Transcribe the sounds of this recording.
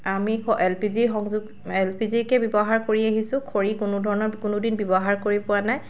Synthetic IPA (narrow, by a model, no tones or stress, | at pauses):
amikɔʔɛlpizixɔŋzuɡ | ɛlpʰizikɛbɔbɔɦaɹkoɹiaɦisʊ̃kʰoɹikʊnʊdʱɔɹɔnɔɹkʊnʊdinbɔbɔɦaɹkoɹipʊanaj